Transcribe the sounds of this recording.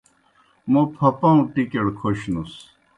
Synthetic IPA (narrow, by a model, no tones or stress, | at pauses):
mopʰɐpɐ̃ũʈikeɽkʰoɕnus